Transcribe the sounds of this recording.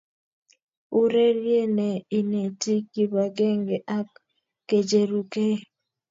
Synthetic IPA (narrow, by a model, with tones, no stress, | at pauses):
u˦ɾe˦ɾje˦ne˨i˨ne˨ti˦ki˦ba˨ɡe˦ŋɡe˨ʔa˦kː | e˨d͡ʒe˨ɾu˨ke˦